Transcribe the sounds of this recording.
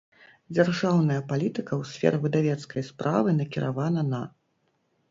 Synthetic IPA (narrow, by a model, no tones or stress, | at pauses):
d͡zʲarʐawnɐjɐpalʲit̪ɨkɐwsʲfʲɛ̰ɾɨvɨd̪avʲɛt̪skɐjspɾʔa̰vɨnɐkʲiɾʔavanɐnɐ